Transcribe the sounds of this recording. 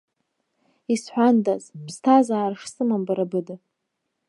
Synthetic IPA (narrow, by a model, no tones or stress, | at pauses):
isħʷᶣandazbʰstʰazaːrʂsɨmambaɾabɨda